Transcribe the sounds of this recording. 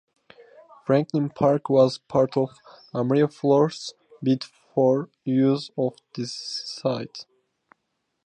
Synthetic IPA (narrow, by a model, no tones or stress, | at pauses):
fɹæ̃ŋklə̃npʰɑɹkwɔzpʰɑɹtʰɔv | amɹiəflɔɹs | bitfɔɹ | jʉzɔvðɨaɪt